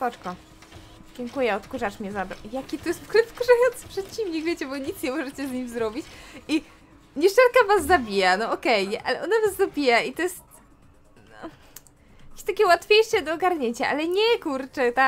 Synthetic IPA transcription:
pɔt͡ʂkɔ | d͡ʑɛŋkujɛɔt̪kuʐaʂmʲɛzad̪ɔjakʲit̪ɔjɛst̪kɾɛt̪skuʐajɔnt̪sɨ̥pʂɛt̪t͡ɕimʲɲikvʲjet͡ɕɛbɔɲit̪sɲɛmɔʐɛt͡ɕɛzɲimzɾɔbʲit͡ɕi | ɲɛʂɛlkavaszːabʲijanɔɔkɛjɲɛʔalɛʔɔnavazzabʲijait̪ɔjɛst̪ | ɔ | akʲe̥ɕt̪akʲɛwat̪fʲjejʂɛd̪ɔːɡaɾɲeɲt͡ɕaʔalɛɲɛkuɾt͡ʂɛt̪a

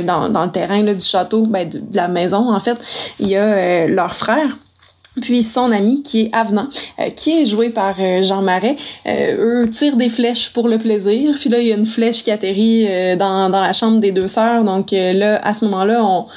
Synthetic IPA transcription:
d̪ɑ̰̃d̪ɑ̃lət̪ɛːʁɛ̃lʌd̪yʃat̪obɛ̃d̪əd̪əlamɛːzɔ̃ɑ̃fɛt̪iljaølœːʁfχɛːʁ | pɥisɔ̃namikʲʰiɛʔavnɑ̰̃kʲʰiɛʒuepaʁøʒɑ̃maʁɛø̰øt̪t͡siːʁd̪eflɛʃpuʁləpleziːʁpɥilʌilaynflɛʃkʲiat̪eʁiød̪ɑ̃d̪ɑ̃laʃɑ̃bʁd̪ed̪øːsœːʁd̪ɔ̃kølʌa̰səmɔmɑ̃lʌɔ̃

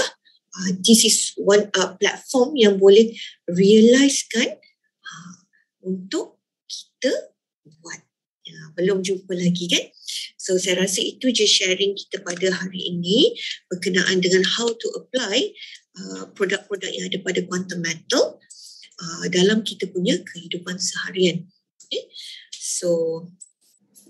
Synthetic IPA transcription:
əd̪isiswanəplɛ̰t̪̚fɔmjaŋbolɛhriəlajskan | ə | unt̪ʊʔ | kʰi̥t̪ə | buat̪̚ | jabəlumd͡ʒumpəlaɡikansosajaɾasəit̪ud͡ʒasʃɛɾɪŋki̥t̪əpadaɦaɾiʔinĩb̥ərkənaʔandəŋãnhawt̪uʔəplajʔəpɾodak̚pɾodak̚jãŋadəpadakɔnt̪əmɛ̃nt̪əlʔədalamkit̪əpuɲãkʰəhidupansəhaɾian | ja | so

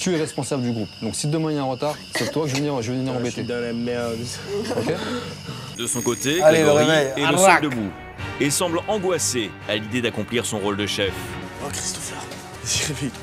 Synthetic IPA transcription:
t̪yɛʁɛspɔ̃sabləd̪yɡʁupd̪ɔ̃ksit̪d̪əmɛ̃jeɛ̃ʁət̪aʁ | sɛt̪wakʒvəvəniʁʒəvvəniʁɑ̃bet̪ed̪ɔ̃lamɛʁd̪oke | d̪əsɔ̃kot̪ealeʁevɛjeləsid̪əbu | esɑ̃blɑ̃ɡwase | alid̪ed̪akɔ̃pliʁsɔ̃ʁold̪əʃɛf | kχist̪ɔ̥fɛʁ | ziʁepik

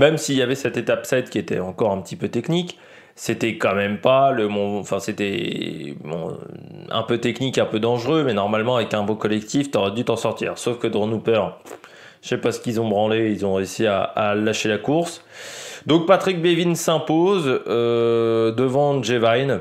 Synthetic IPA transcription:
mɛmsiljavɛsɛt̪et̪apsɛd̪kʲiet̪ɛ̰ɑ̃kɔʁɛ̃pə̥t̪ipøt̪ɛknik | set̪ɛkɑ̃mɛmpaləmɔ̃fɛ̃set̪ɛ | bɔ̰̃ɛ̰̃pøt̪ɛknikɛ̃pød̪ɑ̃ʒʁømɛnɔʁmalmɑ̃avɛkɛ̃bõkɔlɛkt̪ift̪yɔʁɛd̪yt̪ɑ̃sɔʁt̪ḭːʁsofkəd̪əʁənupœʁ | ʃɛpasə̥kʲizɔ̃bʁɑ̃leilzɔ̃ʁeysia̰alaʃelakuʁsd̪ɔ̃k̚pat̪χik̚bevinsɛ̃pozød̪əvɑ̃ʒevajn

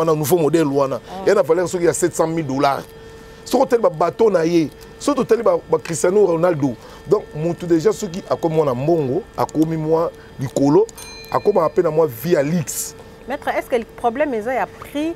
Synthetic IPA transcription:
nanuvomodɛlwanajanavalaisokijasɛtsãmildolaʁ | sokott̬alibabatonaje | soktotaliabakʁistjanoʁanaldo | dɔ̃kmutudeʒasok̬iʔakomimwanamboŋɡoa̰komimwa | likolo | a̰komakapenamwavialiks | mɛt̪ʁɛɛskəpʁoblɛmezajapʁi

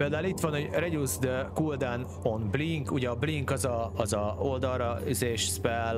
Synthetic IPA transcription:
eːld̪aːulit̪ʋɒnoɟrɛɟuzd̪kuld̪an | onbliŋkuɟɛɒbliŋkɒzɒːzɒold̪ɒrrɒizeːʃsbɛl

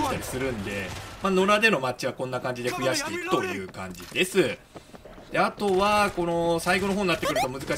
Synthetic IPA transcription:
t̪aɾʲisɨɾɯ̟̃nd̪e̞mano̞ɾad̪e̞no̞mat͡ɕiβakõ̞nːakãɲ̟d͡ʑid̪e̞ɸɯ̟jaɕi̥t̪e̞ikɯ̟̥t̪o̞jɯ̟ːkã̰ɲ̟d͡ʑid̪̥e̞sɨ | d̪̥e̞at̪o̞βako̞no̞saiɡo̞no̞ɦoːɲiːat̪ːekɯɾɯ̟t̪o̞mɯ̟zɨka

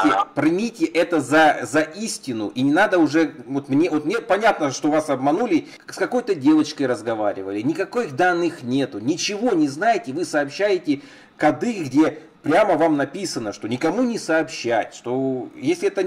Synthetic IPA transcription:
ɪpɾɨmʲitʲɪʔɛt̪əzɐzɐʔisʲtʲɪnʊʔinʲɪnad̪əʊʐɛvot̪mnʲevo̞t̪mnʲepɐnʲat̪nəʂt̪o̞vasɐbmɐnulʲɪ | skɐko̞jt̪ədʲe̞vət͡ɕkəjɾəzɡɐva̰ɾʲɪ̰vəlʲɪnʲɪkɐko̞jxd̪anːɨxnʲe̞t̪ʊnʲɪt͡ɕɪvo̞nʲɪznajɪtʲɪvɨsɐːpɕːæjɪtʲɪ | kɐd̪ɨɡdʲe̞ | pɾʲaməvamnɐpʲisənəʂt̪o̞nʲɪkɐmunʲɪsɐːpɕːæ̰tʲʂt̪o̞jesʲlʲɪɛt̪ə

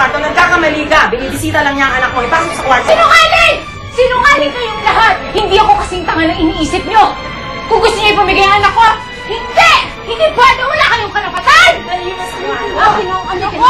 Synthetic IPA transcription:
aɾt̪onɐɡ̚kakɐmɐliːɡɐbɪniːbɪsiːt̪ɐlɐŋɲaɐŋɐnɐkːoɐjpaːsokosɐkwasɪnʊŋaːlɪŋ | sɪnʊŋaːlɪŋkɐjʊŋlɐɦat̪̚hɪnd̪iːʔɐko̞kɐsiŋt̪ɐŋɐnɐŋɪniʔiːsɪp̚ɲo | kʊŋɡʊst̪oɲojpɐmɪɡajɐŋɐnɐkːo | hɪnd̪ɛʔ | hɪnd̪iːpwɛːd̪owɐlakɐjoŋkɐɾɐpɐt̪anɐlipɐsnoɐnaɪnoŋɐno

